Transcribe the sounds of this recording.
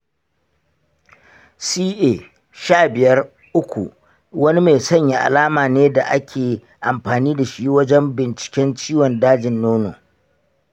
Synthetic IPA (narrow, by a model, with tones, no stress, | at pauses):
siː˦ʔeː˨ | ʃaː˦˨bɪ˨jɐ˦r | ʔʊ˦kʷṵ˨ | wɐ˦ni˦me˨sɐ˦˨ɲja˦ʔa̰˨laː˦maː˨neː˦da˨ʔa˦kʲʰeː˨ | ʔa˨mɸaː˨niː˦da˨ʃi˦wɐ˦d͡ʒɛ˦mbɪ˨nt͡ʃɪ̥˨kʲɛ˦nt͡ʃiː˦wɔ˨ndaː˦d͡ʒɪ˨nːoː˦noː˨